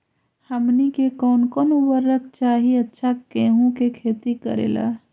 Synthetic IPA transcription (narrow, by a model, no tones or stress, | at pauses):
həmnikekɔːnkɔnobəɾːək̚t͡ʃaɦiətːʃʰakeɦũkekʰet̪ikə̰ɾḛla̰